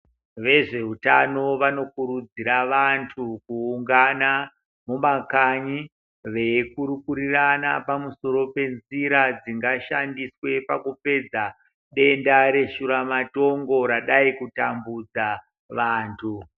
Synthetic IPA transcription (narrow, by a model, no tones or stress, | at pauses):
ʋe̞ʐe̞ɦutano̞ʋano̞kuɾud͡ziɾaʋantʰukuːŋɡana | mumakaɲi | ʋe̞kuɾukuɾirana̰pamuso̞ɾo̞pe̞nziɾad͡ziŋɡaʃandiswe̞pakupe̞d͡za | ɗe̞ndaɾe̞ʃuɾamato̞ŋɡo̞ɾaɗaikutambud͡za | ʋaːntʰu